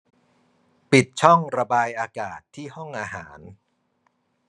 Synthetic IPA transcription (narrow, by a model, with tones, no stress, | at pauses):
pi˨˩t̪̚t͡ɕʰɔ˥˩ŋɾa˧baː˧jʔaː˧kaː˨˩t̪ʰːiː˥˩hɔ˥˩ŋʔaː˧ɦaː˩˦n